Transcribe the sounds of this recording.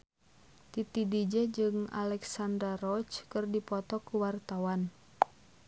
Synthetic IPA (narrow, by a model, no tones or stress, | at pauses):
t̪it̪idid͡ʒɛd͡ʒɨŋa̰lɛksand̪ɾarɔt͡ʃkɨrdipɔt̪ɔkuwart̪awan